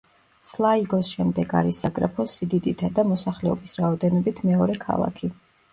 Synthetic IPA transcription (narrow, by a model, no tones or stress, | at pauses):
slˠaiɡɔsʃɛmd̪ɛɡa̰ɾisːaɡɾapʰɔsid̪id̪it̪ʰad̪amɔsaχlɛɔbisɾaɔd̪ɛnɔbit̪ʰmɛɔɾɛkʰa̰lˠa̰kʰi